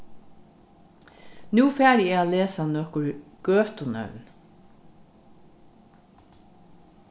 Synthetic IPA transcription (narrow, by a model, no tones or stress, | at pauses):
nuːfæːɾiaːleːsanɔkʊɹɡ̥øːt̪ʊnœ̰ʉn